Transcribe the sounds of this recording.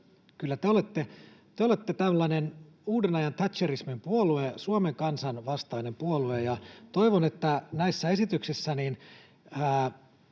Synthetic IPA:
kylːæt̪eolet̪ːet̪eolet̪ːet̪æmlːɑinen | uːdenɑjɑnt̪ʰæt̪ʃerismimpuoluesuomeŋkɑnsɑnʋɑst̪ɑinempuoluejɑt̪oiʋonet̪ːænæisːæesit̪yksisːænin | æː

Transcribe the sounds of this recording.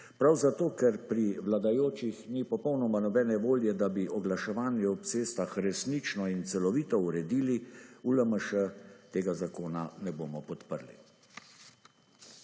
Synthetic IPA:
pɾawzat̪oːkɛɾpɾiʋlad̪ajoːt͡ʃixnipɔpɔwnɔmanɔbɛːnɛʋoːljɛd̪abiʔɔɡlaʃɛʋaːnjɛɔp̚t̪seːst̪axɾɛsnit͡ʃnɔint̪sɛlɔʋiːt̪ɔuɾɛd̪iːliuləməʃət̪eːɡazakoːnanɛboːmɔpɔt̪pəɾlḭ

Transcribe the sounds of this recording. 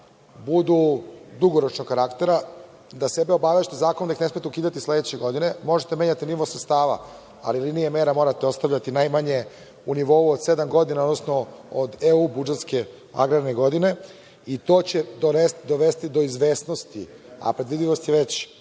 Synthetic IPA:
bud̪ud̪uɡoɾo̞t͡ʃnokaɾakt̪e̞ɾa | d̪ase̞beo̞baʋeʃt̪ezaːkonomd̪aixnesmet̪eukiːd̪at̪isle̞d̪et͡ɕeɡo̞d̪ine̞mo̞ʒet̪emeːɲat̪iniʋo̞sɾet̪st̪aːʋa̰ | a̰lilinijeme̞ːɾamo̞ɾat̪eo̞st̪avʎat̪inajmaɲe̞ | uniʋo̞uod̪se̞d̪amɡo̞d̪inaod̪nosnood̪eubud͡ʒet̪ske̞ | a̰ɡɾaɾneɡo̞d̪ine̞ | it̪o̞ːt͡ɕed̪oɾesd̪o̞ʋe̞st̪id̪o̞izʋeːsnost̪ḭa̰pɾe̞d̪ʋid̪ʎiʋo̞st̪jeʋet͡ɕ

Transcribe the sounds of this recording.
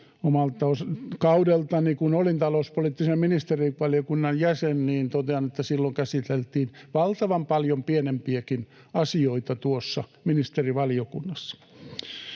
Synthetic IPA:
omɑlt̪ːɑoskɑudelt̪ɑnikunolint̪ɑlouspoliːˑt̪ːisemminist̪eriʋɑlijokunːɑjjæsenniːnt̪ot̪eɑnet̪ːæsilːoŋkæsit̪elt̪iːnʋɑlt̪ɑʋɑmpɑljompienempiækin | ɑsioit̪ɑt̪uosːɑminist̪eriʋɑlijokunːɑsːɑ̥

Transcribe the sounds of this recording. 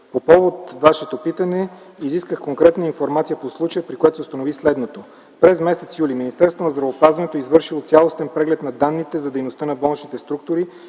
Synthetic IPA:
popɔvot̪vaʃɛt̪opit̪ənɛ | iziskəxkoŋkɾɛt̪nəinfoɾmat̪sijəposlˠut͡ʃəjəpɾikoɛt̪osost̪ɐnovislɛd̪not̪o | pɾɛzmɛsɛt̪sjuliminist̪ɛɾst̪vonɐzd̪ɾɐvopazvɐnɛt̪oizvɤɾʃilˠot̪sʲjalˠost̪ɛnpɾɛɡlɛt̪nɐd̪anːit̪ɛzɐd̪ɛjnost̪ənɐbɔlˠnit͡ʃnit̪ɛst̪ɾuk̚t̪ʊɾi

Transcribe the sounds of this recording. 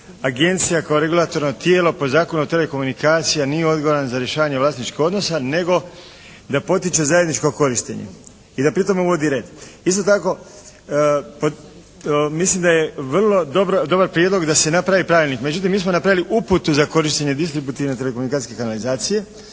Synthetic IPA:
aɡe̞nt̪sijakaoɾe̞ɡulˠat̪o̞ɾno̞t̪jeːlo̞po̞zaːko̞nut̪e̞le̞ko̞munikaːt̪sijanijeo̞d̪ɡoʋoɾanazaɾjeʃaːʋaɲe̞ʋlaːst̪nit͡ʃkixo̞d̪nosane̞ɡo̞ | d̪apo̞t̪it͡ʃe̞zajed̪nit͡ʃkoko̞ɾiʃt̪ḛɲḛ | id̪apɾit̪o̞meuʋo̞d̪iɾe̞ːd̪ist̪o̞t̪ako̞ | po | mislimd̪aje̞ʋrlˠo̞d̪obɾod̪o̞baɾpɾjed̪lo̞ɡd̪ase̞napɾaʋipɾaʋilʲnikme̞d͡ʒut̪̬imːiːsmonapɾaʋiliʔuput̪uzako̞ɾiʃt̪eɲe̞d̪ist̪ɾibut̪iʋne̞t̪elekomunikat̪i̥sʲke̞kanalizaːt̪sije̞

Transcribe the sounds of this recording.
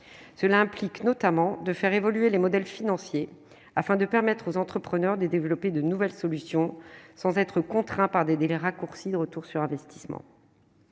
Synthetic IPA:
səlaɛ̃pliknɔt̪amɑ̃d̪əfɛʁevɔlyelemɔd̪ɛlfinɑ̃sje | afɛ̃d̪əpɛʁmɛt̪χozɑ̃t̪χəpχənœʁd̪ed̪evlɔped̪ənuvɛlsɔlysjɔ̃sɑ̃zɛt̪χəkɔ̃t̪χɛ̃paʁd̪ed̪elɛʁakuʁsid̪əʁət̪uʁsyʁɛ̃vɛst̪i̥smɑ̰̃

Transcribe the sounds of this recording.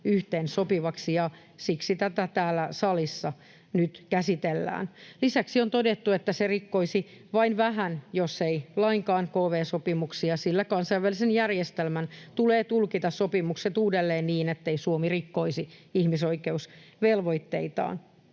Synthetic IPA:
yht̪eːnsopiʋɑksijɑ | siksit̪æt̪æt̪æːlːæsɑlisːɑ | nyt̪kæsit̪elːæ̰ːnlisæksiont̪odet̪ːuet̪ːæserikːoisi | ʋɑinʋæɦænjosːeilɑiŋkɑːnkoːʋeːsopimuksiɑsilːækɑnsɑiʋælːˑisenjærjest̪elmænt̪uleːt̪ulkit̪ɑssopimukset̪uːdelːeːnniːnet̪ːeisuomirikːoisiihmisoikeusʋelʋoit̪ːḛit̪ɑ̰ːn

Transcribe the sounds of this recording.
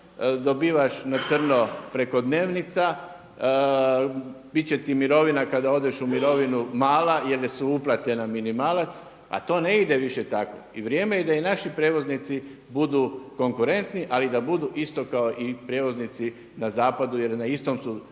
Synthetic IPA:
d̪o̞biːʋaʃnat̪sr̩nopɾe̞ko̞d̪ne̞ːʋnit̪sa | bit̪̚t͡ɕet̪imiɾo̞ʋinakad̪ao̞d̪eʃumiɾo̞ʋinumaːlajeljesuuplˠat̪enaminimaːlat̪s | a̰t̪o̞ːne̞id̪e̞ʋiʃet̪ako̰iʋɾje̞ːme̞jed̪ainaʃipɾjeːʋo̞znit̪si | bud̪uko̞ŋkuɾe̞nt̪niʔalid̪abud̪uʔist̪o̞kaoʔipɾʲje̞ʋo̞znit̪si | nazaːpad̪uje̞ɾnaist̪omsu

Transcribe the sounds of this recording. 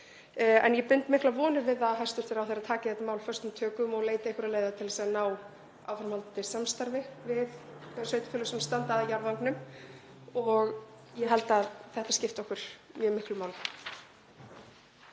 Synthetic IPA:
ɛ̰njɛpʏnt̪mɪhklavɔːnʏɾvɪðaðɦajst̪ʏɾ̥t̪ʰeɾawfθɛɾat̪ʰaːcɪθɛht̪mawlfœrst̪ʏmt̪ʰœːkʏmɔɣleːjt̪ɪejhkʏɾaðleːjðat̪ʰɪlɛsaanaːw | a̰wfɾamhalt̪t̪ɪsamst̪aɾvɪvɪðsœːɥt̪ɪ̥fʏːlasɔmst̪ant̪aðjaɾvaŋknʏm | ɔɣ | jɛɦɛlt̪aðθɛht̪ascɪft̪ɔhkʏɾ̥mjœːmɪhklʏmaːwl

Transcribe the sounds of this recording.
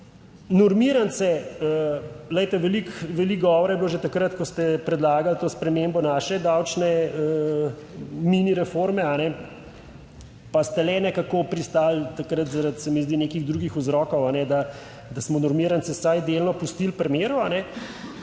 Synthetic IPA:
nuɾmiɾant̪sɛələjt̪ɛʋɛlikʋɛlikɡɔʋɔɾjɛbloːʒet̪akɾət̪kɔst̪ɛpɾɛd̪laːɡalt̪oːspɾɛmembɔnaːʃɛd̪awt͡ʃnɛə | miniɾɛfoɾmɛanɛ | past̪ɛlɛnɛkakopɾist̪aːlt̪akɾət̪zaɾat̪sɛmizd̪inekiɣd̪ɾuːɡixuzɾɔkɔwanɛd̪a | d̪asmɔnuɾmiɾant̪sɛsajd̪elnɔpust̪ilpɾɛmeːɾuanɛ

